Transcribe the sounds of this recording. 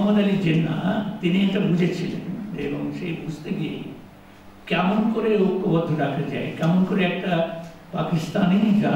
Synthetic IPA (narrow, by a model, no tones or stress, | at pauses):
ɔmonalid͡ʑenːa̰t̪iniekʈabud͡ʑʱet͡ɕʰilḛneboŋʃebud͡ʑʱt̪eɡijḛ | kɛmonkoɾeokːobɔd̪ʱːoɾakʰad͡ʑa̰ekɛmonkoɾeɛk̚ʈa | pakist̪anid͡ʑa